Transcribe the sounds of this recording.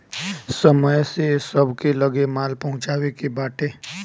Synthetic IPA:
səməjsesəbkeləɡemaːlpɐɦʊ̃t͡ʃaːwekebaːʈeː

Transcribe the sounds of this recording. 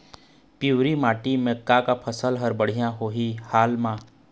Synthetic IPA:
piːɾimaːʈimẽkakapʰəsəlɦəɾbəɽ̤ijãɦoːɦihaːlmãː

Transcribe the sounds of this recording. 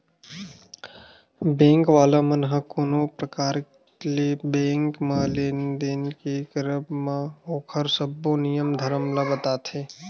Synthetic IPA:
bẽːŋkʋaːlamənɦə̃koːnopɾəkaːɾk | lebẽːŋkmãleːnd̪enkekəɾəbmãoːkʰəɾsəbːonijəmd̪ʱəɾəmlabət̪aːt̪ʰeː

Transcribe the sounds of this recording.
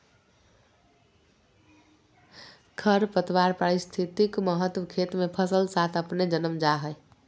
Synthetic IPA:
kʰəɾpət̪ʋaɾpɾaɾist̪ʰit̪ikməɦət̪wəkʰet̪mepʰəsəlsat̪ʰəpned͡ʒənəmd͡ʒaɦəj

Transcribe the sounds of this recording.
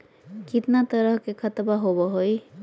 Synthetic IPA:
kit̪nat̪əɾəɦkekʰət̪baɦobɔɦoj

